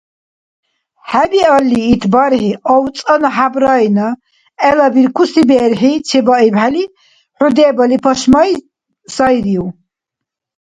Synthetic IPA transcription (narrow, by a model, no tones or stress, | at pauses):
hæbialːiːt̪ʰbaɾhiʔɔw̪t͡sʼanaħabɾajna | ɛlabiɾkʰusibɛɾħit͡ʃʰɛbaibħali | ħud̪ɛːbalipʰɔʃmaj | sajɾiw